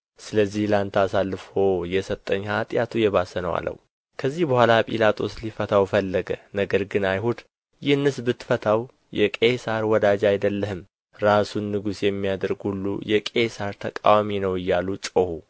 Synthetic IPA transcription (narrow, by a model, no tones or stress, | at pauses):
sɨləzːihlant̪ʰasalːɨfo̞jɛsət̪ʼːəɲːhat̪ʼjat̪ʰujɛβasənəwa̰lːə̰w | kʰəzːihbəhʷalapʼḭlat̪ʼʰo̞slifət̪ʰawfəlːəɡənəɡəɾɡɨnajhud̪ | jɪhɨnːɨsbɨt̪ːfət̪ʰaw | jɛkʼesaɾwɔd̪ad͡ʒajd̪əlːəhɨm | ɾasunːɨɡusjɛmːijad̪əɾɡhulːṵjɛkʼesaɾt̪ʰəkʼa̰waminəwɨjːalut͡ʃʼohu